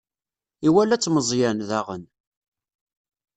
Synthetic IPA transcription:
iwælæt͡sːməzˤjænðæʁən

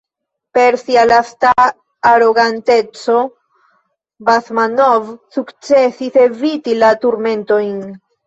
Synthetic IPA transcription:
pe̞ɾsialastaː | ɾo̞ɡante̞t͡so̞ | basmano̞vsukt͡se̞sise̞vitilatuɾme̞nto̞jn

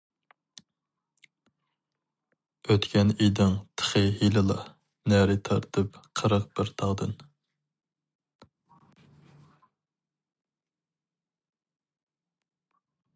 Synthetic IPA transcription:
øt̪kʲʰɛnijd̪ɪŋt̪ʰə̥χɨhilɨlˠɑ | næɾɪt̪ʰɑɾt̪ʰɨpqʰəɾəqbɪɾt̪ʰɑʁd̪ɨn

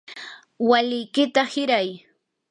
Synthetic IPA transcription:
walɪjkɪt̪ahɪɾaj

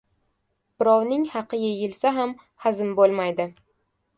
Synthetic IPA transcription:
b̥ɪɾɒwnɪŋhɑqʰɨjʲɪjɪlsaɦam | hazɪmbolˠmajd̪ɪ

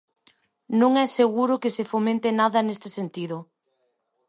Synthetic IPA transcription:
nõŋɛseɣuɾʊkɪsefomẽnt̪enaðɐnest̪ɪsent̪iðʊ

